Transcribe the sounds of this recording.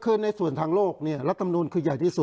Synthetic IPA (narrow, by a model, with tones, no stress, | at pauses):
kʰɯ˥˩nːa˧jsu˨˩ənt̪ʰaː˧ŋloː˥˩k̚ni˥˩ɐɾa˦˥t̪ʰːa˧m˧nuː˧nkʰɯː˧ja˨˩jt̪ʰiː˥˩su˨˩t̪